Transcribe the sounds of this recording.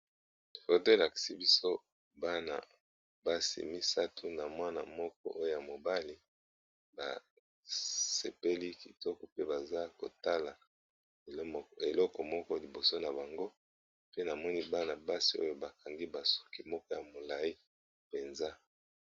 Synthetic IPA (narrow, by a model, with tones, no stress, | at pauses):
fo˨to˦e˨la˨ki̥˨si˦bi˦so˦ | ba˦na̰˨ | ba˦sḭ˨mi˦sa˦tʰu˦na˨mwa˦na̰˨mɔ˦k̚ɔ̰˦ʔo˦jo˦˨ja˨mo˨ba˦li˦ | ba̰˨ | se˨pe˦li˦ki˨tɔ˦kɔ˨pe˦ba˨za˦ko̰˨ta˦la˨˦ | e˨lɔ˦kɔ˨mɔ˦kɔ˦li˨bo˨so˦na˨ba˨ŋɡo˦ | pe˦na˨mɔ˦ni˦ba˦na˨ba˦si˨o̰˦jo˦ba˨ka˨ŋɡi˦ba˨su̥˦ki˨mɔ˦kɔ˦ja˨mo˨la˨i˦ | pe˨nza˦